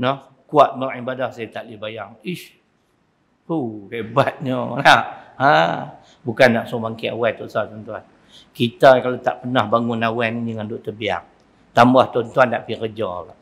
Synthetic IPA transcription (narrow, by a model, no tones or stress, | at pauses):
nɔh | kuat̪̚maʔibadahsajat̪aʔlibajaŋih | huhebat̪̚ɲənaha | bukanːaʔsɔbaŋkiawajt̪ɔʔsat̪ɔnt̪uan | kit̪akalat̪a̰ʔpənahbaŋʊnawɛnd͡ʒəŋandʊʔt̪əbia̰ŋ | t̪ambaht̪ɔnt̪uandaʔpikəd͡ʒɔla